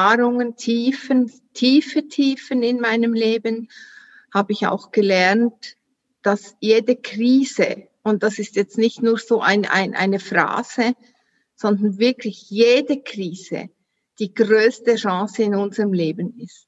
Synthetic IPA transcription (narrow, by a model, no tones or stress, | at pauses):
aːɾʊŋəntʰiːfən | tʰiːfətʰiːfənɪnmaɪnəmleːbən | haːbəɪça̰ʊxɡ̥əlɛɐnt | d̥asjeːdəkriːzə | ʊnt̚d̥asɪstjɛt͡stnɪçtnuːɐz̥oːʔa̰ɪnʔa̰ɪnʔa̰ɪnəfʁa̰ːz̥ə | z̥ɔndɐnvɪɐkʰlɪçjeːdəkr̥iːz̥ə̰ | d̥iːɡ̥ʁøːstəʃɑ̃ːsəɪnʊnzəʁəmleːbənɪst